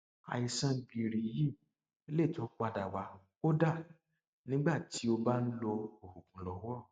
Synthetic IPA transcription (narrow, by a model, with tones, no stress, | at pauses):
a̰˨i˧sã˧ɡi˧˨ɾi˨˦ji˦˨ | e˦le˦˨tɔ̃˨˦k͡pa˧da˨wa˧ | o˦da˦˨ | nĩ˦ɡ͡ba˦˨ti˨˦o˧ba˦n̩˦lo˧o˨hu˨kũ˨lɔ˨˦ɔ˦˨